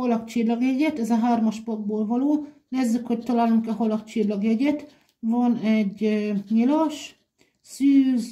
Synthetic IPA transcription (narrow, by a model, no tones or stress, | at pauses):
holɒkt͡ʃilːɒɡjɛɟɛt̪ɛzɒɦaːrmɒʃpɒɡ̚boːlvɒloːneːzːykhoct̪ɒlaːluŋkɛɦolɒk̚t͡ʃilːɒɡjɛɟɛt̪ | vonɛɟɲilɒʃ | syːz